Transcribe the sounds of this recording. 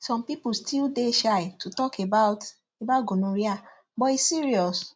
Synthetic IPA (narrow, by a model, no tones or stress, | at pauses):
sɔ̃mpipustʰildeʃaɪtʰutɔkebaʊt | ebaʊɡonũɾia | bɔisiɹiɔs